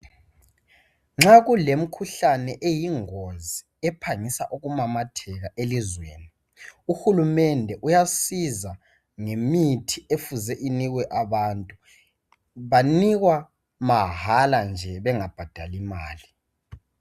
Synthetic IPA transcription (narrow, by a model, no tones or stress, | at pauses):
ŋ͡ǁaɣulem̩kʰuɬanɛʔejiŋozi | ɛpʰaŋisa̰ʔuɣumamatʰɛɣaʔelizweːni | uxulumɛndʱɛʔujasiza | ŋemitʰiefuzɛʔiniɣwɛʔaβantʼu | βaniɣwa | maɦaland͡ʒʱɛβɛŋab̥ʱad̥ʱalima̰ːli